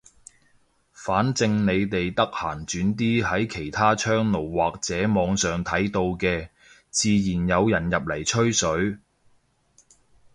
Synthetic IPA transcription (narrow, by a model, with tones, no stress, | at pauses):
faː˨˥nt͡sɪ˧ŋne˨˧jt̪e˨jt̪ɐ˥k̚haː˨˩nt͡ʃyː˨˥nt̪̬iː˥hɐ˨˥jkʰe˨˩jt̪ʰaː˥t͡ʃʰœː˥ŋno˨˩wwaː˨k̚t͡sɛː˨˥mɔː˨˧ŋsœː˨ŋt̪ʰɐ˨˥jt̪o˧wkɛː˧ | t͡siː˨˧jiː˨˩njɐ˨˧wjɐ˨˩njɐ˨p̚lɐ˨˩jt͡ʃʰɵ˥ɥsɵ˨˥ɥ